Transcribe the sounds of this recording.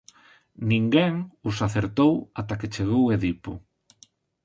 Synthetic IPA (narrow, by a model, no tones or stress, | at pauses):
nĩŋɡɛŋʊsaθeɾt̪owat̪aket͡ʃeɣ̞oweðipʊ̰